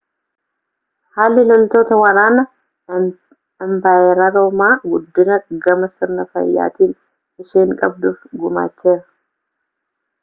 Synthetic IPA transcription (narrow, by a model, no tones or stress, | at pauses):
haːlːɪlɔlt̪o̞ːt̪ɐwɐɾaːnɐ | ɐmbaːʔeːɾaɾo̞ːmaːɡʊd̪ːɪnɐɡɐmɐsɪɾnɐfɐ̰jːa̰ːt̪iːn | ɪʃeːŋkʼɐb̚d̪ʊfɡʊma̰ːt͡ʃːeːɾɐ